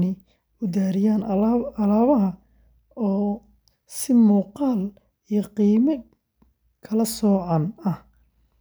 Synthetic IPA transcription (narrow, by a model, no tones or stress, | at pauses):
nɪ | ʊd̪aːɾɪjaːnɐlaːβɐɦɐ | ɔː | sɪmuːqɑːl | ijɞqiːmɐ | kʰɐlɐsɔːʕɑnɐh